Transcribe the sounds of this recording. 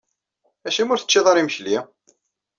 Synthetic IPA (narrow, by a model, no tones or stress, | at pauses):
æʃimʊɾθə̥t͡ʃːeðˤɑɾiməçli